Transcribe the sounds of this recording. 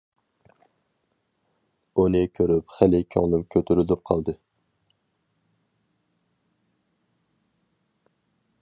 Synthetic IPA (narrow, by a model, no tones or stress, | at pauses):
unɨkʲʰøɾypχælɪkʲʰø̰ŋlˠymkʲʰøt̪ʰyɾylyp̚qʰɑlˠd̪ɨ